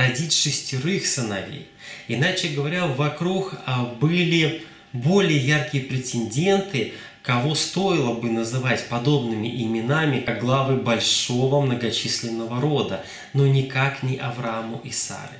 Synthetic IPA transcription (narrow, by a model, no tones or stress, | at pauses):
ɾɐdʲitʲʂɨsʲtʲɪɾɨxsɨnɐvʲḛj | ɪnat͡ɕɪɡəvɐɾʲavɐkɾukbɨlʲɪ | bo̞lʲɪjəjarkʲɪjəpɾʲɪtʲɪnʲdʲe̞nt̪ɨ | kɐvo̞st̪o̞ɪlˠəbɨnəzɨvatʲpɐd̪o̞bnɨmʲɪ̰ʔɪmʲɪnamʲɪɡlˠavɨbɐlʲʂo̞vəmnəɡɐt͡ɕisʲlʲɪnːəvəɾo̞d̪ə | no̞nʲɪkaknʲɪʔɐvɾamʊʔɪsa̰ɾɨ̰